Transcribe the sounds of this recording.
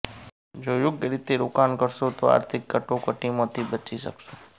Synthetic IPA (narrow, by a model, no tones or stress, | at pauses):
d͡ʒojʊɡjəɾɪt̪eɾokankəɾʃot̪oa̰ːɾt̪ʰɪkːəʈokəʈimõt̪ʰibət͡ʃiʃə̰kʃo̥